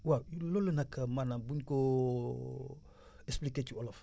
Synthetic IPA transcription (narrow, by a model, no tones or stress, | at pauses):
wawjulolenakʰamanabunko | espliketuolaf